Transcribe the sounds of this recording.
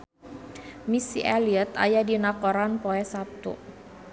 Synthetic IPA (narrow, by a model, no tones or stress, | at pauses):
misḭʔaliət̪a̰jadinakɔɾanpoɛsap̚t̪ṵ